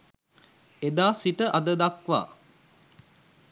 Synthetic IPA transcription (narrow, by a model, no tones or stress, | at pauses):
ed̪aːsiʈəʔad̪əd̪akʋa̰ː